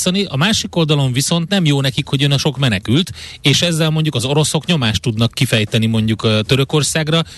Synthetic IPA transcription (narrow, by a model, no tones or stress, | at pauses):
sɒniʔɒmaːʃiko̞ld̪ɒlo̞ɱviso̞nt̪nɛmjoːnɛkikho̞ɟønɒʃo̞kmɛnɛkylt̪eːʃɛzːɛlmo̞ɲɟukɒzo̞ɾo̞so̞kɲo̞maːʃt̪ːud̪nɒkːifɛjt̪ɛnimo̞ɲɟukt̪ø̞ɾø̞ko̞rsaːɡrɒ